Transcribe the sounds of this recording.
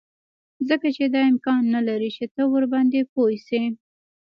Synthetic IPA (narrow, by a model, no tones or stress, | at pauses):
zəkat͡ʃed̪ɑɪmkɑnːalaɾit͡ʃet̪əwəɾbɑnd̪epojse